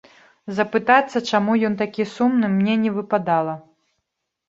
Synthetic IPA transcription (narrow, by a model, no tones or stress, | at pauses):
zɐpɨt̪at̪sːɐt͡ʂamujɔnt̪akʲisumnɨmnʲɛnʲɛvɨpad̪alˠɐ